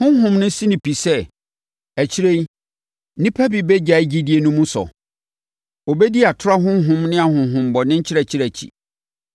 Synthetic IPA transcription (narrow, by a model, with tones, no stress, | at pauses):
hʊ̃˦ɦʊ̃˦mnɪ̃˦sĩ˦nĩ˨pʰi˨sɛ˦ | æ˨t͡ɕʰi˦ɾe˦j | nĩ˦pʰa˦bi˨bɛ˦d͡ʑa˨i˦d͡ʑi˦di˨˦e˨nũ˦mũ˦sɔ̰˨ | o˨bɛ˦di˦a˨tʰʊ˦ɾa˦ɦʊ̃˦ɦʊ̃˦mnɪ̃˦a˨hʊ̃˨˦ɦʊ̃˨mbɔ˨nɪ̃˦ɲ̩˦t͡ɕʰɪ˦ɾɛ˨t͡ɕʰɪ˦ɾæ˨t͡ɕʰḭ˨